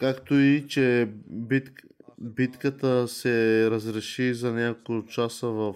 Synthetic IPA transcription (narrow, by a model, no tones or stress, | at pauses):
kakt̪oit͡ʃɛbit̪ | bit̪kət̪əsɛɾəzɾɛʃizɐnʲakot͡ʃasəvɐf